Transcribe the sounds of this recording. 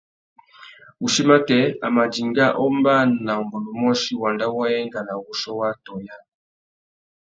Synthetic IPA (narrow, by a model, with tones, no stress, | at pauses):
u˨ʃi˦ma˦kɛ˨a̰˨ma˨d͡ʒi˨ŋɡa˦ʔɔ˦mba˦na˨u˨mbɔ˨lu˨mɔ˦ʃi˦wa˨nda˦wa˦ɛ˦ŋɡa˨na˨wu˨ʃɔ˦wa˦tɔ˨ja˦